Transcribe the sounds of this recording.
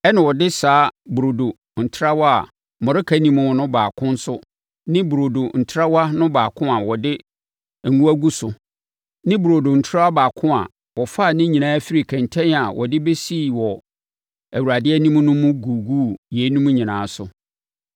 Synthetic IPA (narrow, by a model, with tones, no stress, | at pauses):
ɛ˦nã˨wɔ˨dɪ˦saː˨˦bɾo˨do˨ | n̩˨tʰɾa˦wɔ˦a̰˨ | mɔ̃˨ɾɪ˦kʰæ˦nĩ˨mʊ̃˨wɔ˨nʊ̃˦baː˨kʰʊ̃˦n̩˦sʊ˦ | nɪ̃˦bu˨ɾo˨do˨n̩˨tʰɾa˦wa˦nʊ̃˦baː˨kʰʊ̃˦a˨wɔ˨dɪ˦˨ | ŋũ˦æ˦ɡu˦sʊ˨ | nɪ̃˦bu˨ɾo˨do˨n̩˨tʰɾa˦a˦baː˨kʰʊ̃˦a̰˨ | wɔ˨fa˦˨nɪ̃˦ɲĩ˨nãː˦fi˦ɾi˨kʰɛ̃˨ntʰɛ̃˦na˨wʔɔ̰˨dɪ˦be˦siː˦˨wɔ˨ | æ˨wu˨ɾa˨dɪ˦ɛ˦nĩ˦m̃˦nʊ̃˦mʊ̃˦ɡuː˨ɡuː˦˨jeː˨˦nũ˦mũ˦ɲĩ˨nãː˨˦sʊ˨